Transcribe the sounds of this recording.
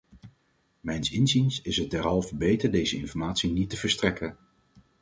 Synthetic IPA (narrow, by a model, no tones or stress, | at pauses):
mɛjnsɪnzinsɪsɦət̚dɛɹɦɑlˠvəbejtəɹdejzəɪnfɔɹmaːtsinitəvəɹstrɛkən